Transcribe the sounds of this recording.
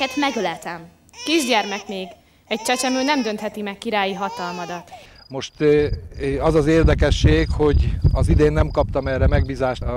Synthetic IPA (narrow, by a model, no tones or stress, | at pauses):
ɛt̪mɛɡølɛt̪ɛm | kiʒɟɛrmɛkmeːɡ | ɛc̚t͡ʃɛt͡ʃɛmyːnɛmd̪ø̞nt̪hɛt̪imɛkːiɾaːjiɦɒt̪ɒlmɒd̪ɒt̪ | mo̞ʃt̪ | ɒzɒzeːrd̪ɛkɛʃːeːkho̞ɟɒzid̪eːnːɛmkɒp̚t̪ɒmɛrːɛmɛɡbiːzaːʃ